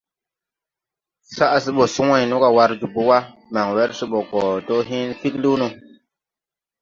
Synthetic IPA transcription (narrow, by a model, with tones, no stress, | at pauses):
sa˦ʔa˨si˦ɓo˨su˦ŋa˦˨jnũ˦ka˨wa˦ɾd͡ʒu˨bu˦wa˦ma˨ŋwe˦ɾsi˦ɓo˨kɔ˨to˦ɦi˦nfi˦klu˦nu˦